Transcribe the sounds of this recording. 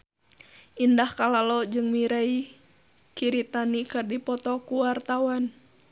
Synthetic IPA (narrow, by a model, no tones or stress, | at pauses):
ʔindahkalalɔd͡ʒɨŋmiɾai | kiɾit̪anikɨrdipɔt̪ɔkuwart̪awan